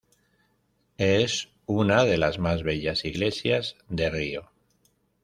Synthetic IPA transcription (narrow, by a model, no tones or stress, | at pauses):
es | unaðe̞lazmazβe̞ʎasiɣle̞sjazðe̞rio̞